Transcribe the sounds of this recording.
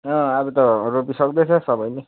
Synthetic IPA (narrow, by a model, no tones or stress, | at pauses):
ʌ̃abʌt̪ʌropisʌk̚d̪et͡sʰʌsʌbʌjle